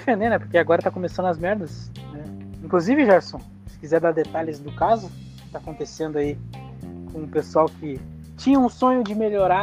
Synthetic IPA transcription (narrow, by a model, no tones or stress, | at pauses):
fẽnd̪ẽnɛpoɾkeaɡɔɾɐt̪akõmesɐ̃nd̪ʊɐzmɛɾd̪ɐsnɛĩkluzivɪʒɛɾsõ | sɪ̥kizɛɾd̪aɾd̪et̪alɪzd̪ʊkazʊ | ɪ̥t̪aːkõnt̪esẽnd̪ʊai | kõʊpesuawkɪ | t͡ʃĩɲɐũsõɲʊd͡ʒɪmeʎoɾa